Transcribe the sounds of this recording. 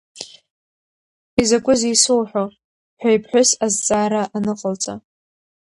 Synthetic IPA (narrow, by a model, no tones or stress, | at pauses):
izakʷʼʊzijsowħʷᶣo | ħʷᶣajpʰħᶣʷʊsazt͡sʼaːɾaʔanɨqʼəlt͡sʼa